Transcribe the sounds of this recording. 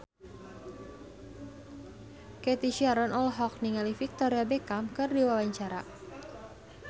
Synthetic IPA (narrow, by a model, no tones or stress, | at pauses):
kɛt̪iʃiaɾɔnɔlɦɔk̚niŋalifik̚t̪ɔɾiabekamkɨrdiwawaɲt͡ʃaɾa̰